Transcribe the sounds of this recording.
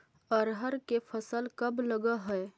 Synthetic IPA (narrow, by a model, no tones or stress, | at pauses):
əɾɦəɾkefʰəsəlkəbləɡaɦɛj